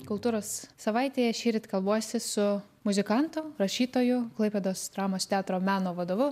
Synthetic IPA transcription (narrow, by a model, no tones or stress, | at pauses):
kʊlˠt̪uːɾoːsːɐʋɐɪt̪ʲeːjɛʃʲiːɾʲɪt̪ʲkɐlˠbuɔsʲɪsʊ | mʊzʲɪkɐnt̪ʊɾɐʃʲiːt̪oːjʊklˠɐɪpʲed̪oːsd̪ɾɑːmoːst̪ʲæːt̪ɾoːmʲæːnoːʋɐd̪oːʋʊ